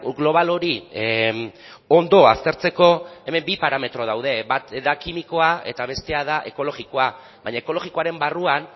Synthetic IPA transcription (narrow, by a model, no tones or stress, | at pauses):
ɣlo̞β̞alo̞ɾi | o̞nd̪o̞a̰st̪e̞ɾt͡se̞ko̞e̞me̞mbipaɾame̞t̪ɾo̞ð̞awð̞e̞bat̪ðakimiko̞ae̞t̪aβ̞e̞st̪e̞aðaʔe̞ko̞lo̞ɣiko̞a | βaɲaeko̞lo̞ɣiko̞aɾe̞mbaruan